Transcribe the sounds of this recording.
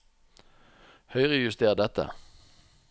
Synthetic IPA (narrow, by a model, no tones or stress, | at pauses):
hœʏʁəjʉst̪eːʁd̪ɛt̪ə̰